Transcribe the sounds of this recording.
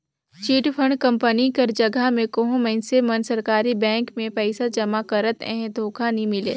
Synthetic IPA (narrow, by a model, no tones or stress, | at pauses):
t͡ʃiːʈpʰə̃ɳɖkə̃mpənikɐɾd͡ʒɐɡʱamẽkəɦõmɛ̃ɪnsemɐnsɐɾkaːɾibɛ̃ːŋkmẽpɛɪsad͡ʒɐmakəɾət̪ɛ̰̃ɦẽd̪ʱoːkʰanimɪlḛː